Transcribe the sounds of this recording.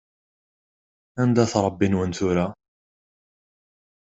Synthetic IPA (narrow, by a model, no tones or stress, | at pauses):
ænd̪æθɾˤɑbːinwənt̪ʊɾa